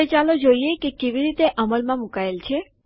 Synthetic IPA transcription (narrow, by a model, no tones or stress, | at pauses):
et͡ʃalod͡ʒoiekekeʋiɾit̪eʔəməlmãmukaelt͡ʃʰe